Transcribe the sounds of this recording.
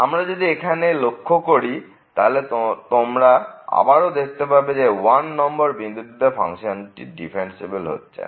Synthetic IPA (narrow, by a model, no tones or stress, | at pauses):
amɾad͡ʑod̪iekʰanelokʰːokoɾi | t̪a̰ɦolet̪omɾaa̰baɾod̪ekʰt̪epaɾbed͡ʑewanːɔmbɔɾbind̪ud̪ʱːopʰa̰ŋʃonʈḭɖḭpʰensibelɦo̰tːɕʰḛ